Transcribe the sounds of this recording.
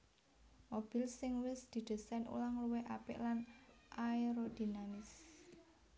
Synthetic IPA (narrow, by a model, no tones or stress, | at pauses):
mob̥i̤lsɪŋwɪsd̪̥i̤d̪̥i̤sanṵlaŋluweʔapɪ̰ʔlan | ʔaiɾod̪̥inamɪs